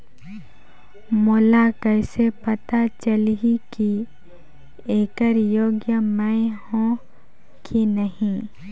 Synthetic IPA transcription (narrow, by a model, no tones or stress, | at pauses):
molakəɪsepɐt̪at͡ʃəlɦiki | eːkəɾjoːɡjəmə̃hõ | kʰinəɦĩ